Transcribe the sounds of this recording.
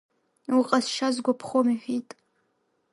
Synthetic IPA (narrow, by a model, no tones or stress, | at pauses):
wuqʼɐsʃazɡʷapʰχomiχʲitʼ